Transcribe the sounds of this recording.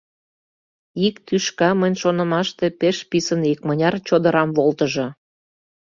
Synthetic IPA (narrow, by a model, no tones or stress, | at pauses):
ikt̪yʃkɑmənʲʃonə̆mɑʃt̪epeʃpisənikmənʲɑrt͡ɕod̪əɾɑmβolt̪əʒɤ̆